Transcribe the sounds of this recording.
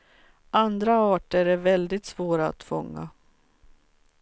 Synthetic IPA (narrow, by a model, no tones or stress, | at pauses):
ʔand̪ɾaɑːʈəɾɛvɛld̪ɪt̪svoːɾaa̰t̪fɔŋːa̰